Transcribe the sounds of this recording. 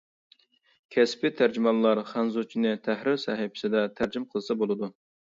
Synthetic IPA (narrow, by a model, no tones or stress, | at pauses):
kʲʰɛspɪt̪ʰæɾd͡ʒimɑlˠːɑɾχɑnzut͡ʃʰinɪt̪ʰæhɾɪɾsɑɦɪpʰɪ̥sɪd̪ɛt̪ʰæɾd͡ʒimqʰəlˠɨsɑbolˠɨd̪u